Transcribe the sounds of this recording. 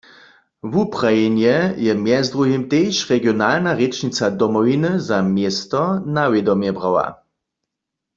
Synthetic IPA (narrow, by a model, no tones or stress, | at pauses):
vupʁajenjɛjɛmjɛzd̪ʁuɦimt̪ejʃʁɛɡjonalnaʁet͡ʃnit͡sad̪ɔmɔwinɨzamjest̪ɔnawed̪ɔmjɛbʁawa̰